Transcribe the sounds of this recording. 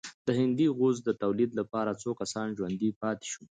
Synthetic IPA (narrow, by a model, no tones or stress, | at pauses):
d̪̥əɦɪnd̪iɣozd̪ət̪awlid̪lapɑɾat͡sokasɑnʒwand̪ipɑt̪ɪ̥ʃu